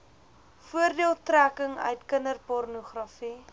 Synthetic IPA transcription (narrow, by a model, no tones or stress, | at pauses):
fuərdiəlˠtrækəŋœ̰ɥtkənərpɔrnuχrɐfi